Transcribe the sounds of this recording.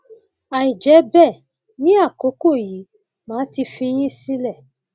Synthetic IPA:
a˨ĩ˨d͡ʒɛ˨˦bɛ˦˨ | nĩ˦a˦˨ko˨˦ko˦˨ji˨˦ | mãː˨˦ti˧fĩ˧j̃ĩ˦si˦lɛ˦˨

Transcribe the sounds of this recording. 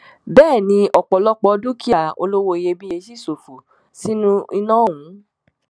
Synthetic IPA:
bɛː˦˨nĩ˧ʔɔ˨k͡pɔ˨lɔ˦k͡pɔ˧˦du˦ki˦ja˨o̰˧lo˦wo˧i˧je˧bi˦je˧ʃi˦˨so˨fu˨ | si˦nũ˦i˧nãː˦˨wũ˨˦

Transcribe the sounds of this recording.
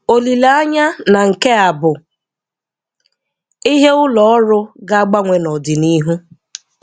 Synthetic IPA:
o˨li˨la˨˦a˦ɲa˦na˨ŋ̩˨ke˦a˨bʊ˨ | i˦ɦe˦ʊ˦lɔ˨˦ɔ˦ɾʊ˦ɡa˦a˦ɡ͡ba˦ŋʷe˨nɔ˨dɪ˨ni˦ɦu˦

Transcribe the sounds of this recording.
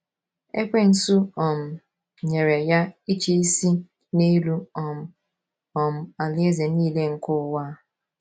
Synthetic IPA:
e˦kʷe˦n̩˨su˦ɔ˨m̩˨ | ɲe˨ɾe˨ja˦i˦t͡ʃi˦i˦si˦ | ne˦lu˦ɔ˨m˨ | ɔ˨m̩˨a˨lɪ˦e˦ze˨niː˦le˦ŋ̩˦kʊ˦wa˦

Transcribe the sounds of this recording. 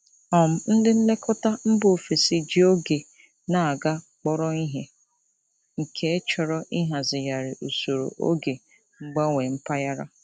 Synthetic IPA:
ɔ˨m̩˨n̩˦dɪ˦n̩˦le˦kʰɔ˦ta˦m̩˦bo˨fi˨si˨d͡ʒi˦o˦ɡe˨ | na˨a˨ɡa˦ | k͡pɔ˦ɾɔ˦i˦ɦe˦ | ŋ̩˨kʰe˦e˦t͡ʃɔ˨ɾɔ˦ʔi˦ɦa˨zɪ˨ja˨ɾɪ˨ʔo˨so˨ɾo̰˨ʔo̰˦ɡe˨ | ŋ͡m̩˦ɡ͡ba˦ŋʷe˨m̩˦pa˦ja˦ɾa̰˦

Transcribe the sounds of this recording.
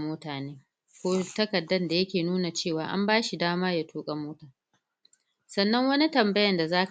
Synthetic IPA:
moː˦taː˨neː˦ | kʷoː˦tɐ˦kɐ˨dːɐ˦nda˨jɐ˦kʲeː˨nuː˦na˨t͡ʃeː˦˨waː˨ʔa̰˦mbaː˦ʃi˨daː˦maː˦ja˦tʰuː˦kʼɐ˦moː˦taː˨ | sɐ˨nːɐ˦ŋwɐ˦ni˦tɐ˨mbɐ˦jɐ˨nda˨zaː˦k

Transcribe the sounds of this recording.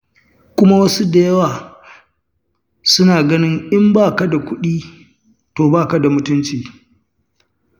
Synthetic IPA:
kʷʊ˦ma˦wɐ˦su˦da˨jɐ˦waː˨ | sʊ˦naː˨ɡɐ˦nɪ˦ŋʔɪ˦mbaː˦˨ka˦da˨kʷʊ˦ɗiː˦ | toː˨baː˦˨ka˨da˨mʊ˦tʊ˦nt͡ʃiː˨

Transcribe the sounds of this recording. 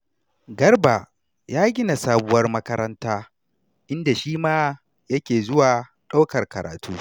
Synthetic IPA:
ɡɐ˦rba˨ | jaː˦ɡʲɪ˦na˨saː˦bʊ˦wɐ˦rmɐ˦kɐ˦ɾɐ˦ntaː˦ | ʔɪ˦nda˨ʃiː˦maː˦ | jɐ˦kʲeː˨zʊ˦waː˨ | ɗa˦wkɐ˨rkɐ˨ɾa̰ː˨tuː˦

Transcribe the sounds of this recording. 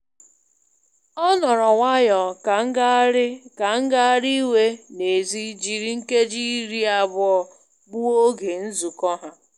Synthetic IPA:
ɔ˦nɔ˨ɾɔ˨wʷa˦jɔ˨k̩˨˦ɡka˨ŋ̩˦ɡa˦ɾi˦we˦ne˨zi˦d͡ʒi˨ɾi˦ŋ̩˦ke˦d͡ʒi˦ɾi˦a˨bʊ˦ɔ˦ | bʊ˦o˦ɡe˨n̩˦zu˨kɔ˦ɦa˦

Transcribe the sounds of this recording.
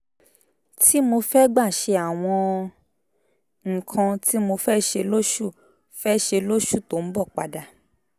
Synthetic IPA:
tʰi˦mo˧fɛ˦ɡ͡ba˦˨ʃe˧a˨w̃ɔ̃˧ | ŋ̩˨kʰã˧ti˦mo˧fɛ˦ʃe˧lo˦ʃu˦˨ | fɛ˦ʃe˧lo˦ʃu˦˨to˨˦n̩˦bɔ˦˨k͡pa̰˧da˧

